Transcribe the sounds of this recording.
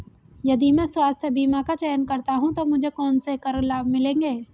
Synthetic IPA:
jɐd̪imɛ̃ːswaːst̪ʰjebiːmakat͡ʃɛjənkɐɾt̪aɦũt̪omʊd͡ʒʱekɔːnsekɐɾəlaːbmɪlẽːŋɡeː

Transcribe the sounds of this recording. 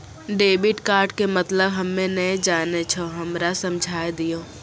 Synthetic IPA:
ɖeːbɪʈkaːɾʈkemɐt̪ləbɦɐmːẽnɐẽd͡ʒaːnet͡ʃʰoɦɐmɾasɐ̃md͡ʒʱaːjd̪ijoː

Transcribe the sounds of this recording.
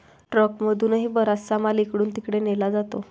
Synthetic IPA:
ʈɾəkməd̪ʱuːnɦiːbəɾassamalikɽuːnt̪ikɽenelad͡zat̪o

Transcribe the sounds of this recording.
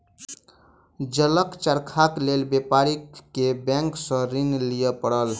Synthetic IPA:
d͡ʒələkt͡ʃəɾkʰaklelbepaɾikkebɛ̃ŋksə̃ɾinlijəpəɽəl

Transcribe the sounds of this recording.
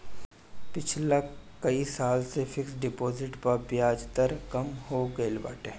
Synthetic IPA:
pɪt͡ʃʰlakɐisaːlsefʰɪksɖɪpoːzɪʈpɐɾbjaːd͡ʒt̪əɾkɐmhoɡəɪlba̰ːʈeː

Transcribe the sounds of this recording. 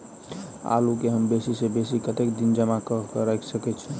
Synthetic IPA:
a̰lukeɦəmbesisebesikət̪ekd̪ind͡ʒəmakəɦkɾajksəkɛt͡ʃʰɛ̃

